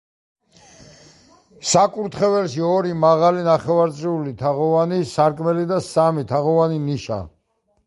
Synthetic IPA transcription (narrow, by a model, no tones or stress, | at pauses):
sakʼuɾt̪ʰχɛvɛlʃiɔɾimaʁalinaχɛvaɾt̪sʼɾiulit̪ʰaʁɔvanisaɾkʼmɛlid̪asamit̪ʰaʁɔvaniniʃa̰